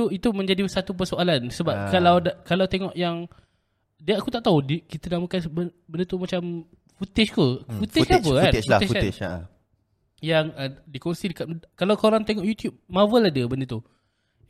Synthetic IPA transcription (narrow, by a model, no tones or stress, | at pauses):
t̪uit̪umə̃ɲd͡ʒadisat̪up̬ərsoalansəbap̚kalawdakalawt̪eŋɔʔjaŋ | diaakut̪aʔt̪audikit̪ənaməkanbə | bəndət̪umat͡ʃam | fut̪ɪʃt̪ufut̪ɪkapəkanfut̪ɪʃa̰ | jaŋədikonsidəkat̪̚kalawkoɾaŋt̪eŋɔʔjut̪jup̚mavəladəbəndət̪u